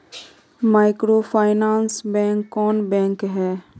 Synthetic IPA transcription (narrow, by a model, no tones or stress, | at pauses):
maːɪkɾopʰaːɪnaːnsbɛ̃ːŋkːɔːnbɛ̃ːŋkɦɛː